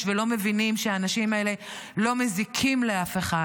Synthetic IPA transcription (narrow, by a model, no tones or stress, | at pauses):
velo̞me̞vinimʃeaːnaʃimaele̞lo̞me̞zikʰimleafe̞χa